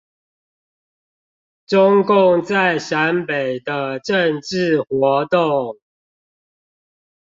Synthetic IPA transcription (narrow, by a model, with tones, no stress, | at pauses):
ʈ͡ʂʊ˦ŋkʊ˥˨ŋt͡sa˥˨ɪʂa˨˦npe˨˩ɪd̪ə˦ʈ͡ʂə˥˨ŋʈ͡ʂɻ̩˥˨xwɔ˨˦t̪ʊ˥˨ŋ